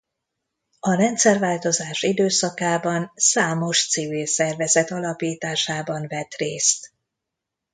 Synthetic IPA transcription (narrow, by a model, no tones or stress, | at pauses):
ɒɾɛnt̪sɛrvaːlt̪o̞zaːʃid̪øːsɒkaːbɒnsaːmo̞ʃt̪sivilsɛrvɛzɛt̪ɒlɒpiːt̪aːʃaːbɒnvɛt̪reːst̪